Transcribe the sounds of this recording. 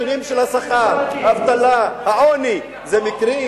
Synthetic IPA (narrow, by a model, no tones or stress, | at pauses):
ʁimʃelhasaχaʁhaːvt̪alahaʔoni | zemikʁi